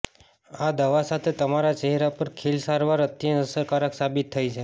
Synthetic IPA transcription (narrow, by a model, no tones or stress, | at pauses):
ad̪əʋasat̪ʰet̪əmaɾat͡ʃeɦɛɾapəɾkʰelsaɾʋaɾət̪jə̃nəsəɾkaɾəksabit̪ʰːajt͡ʃʰe